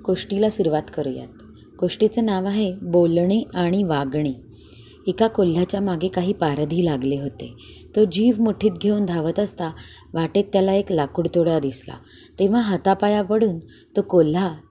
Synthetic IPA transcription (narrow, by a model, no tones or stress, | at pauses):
ɡ̥oʂʈilasuɾʋat̪kəɾṵja̰t̪̚ | ɡ̥oʂʈit͡sənaʋaɦebolɳiaɽ̃iʋaɡɳ̃i | ikakol̤ːjat͡ɕjamaɡekaɦiːpaɾd̪ʱiːlaɡleɦot̪ḛ | t̪od͡ʑiːʋmoʈʰiːt̪ɡʱeund̪ʱaʋət̪əst̪a | ʋaʈet̪ːjalaeklakuɽt̪oɽad̪isla̰ | t̪ẽʋ̤aɦat̪apajapəɽuːn | t̪okol̤ːa